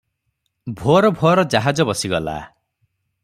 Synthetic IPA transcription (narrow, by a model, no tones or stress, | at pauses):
bʱoɔɾɔbʱoɔɾɔd͡ʒaɦad͡ʒɔbɔsiɡɔla̰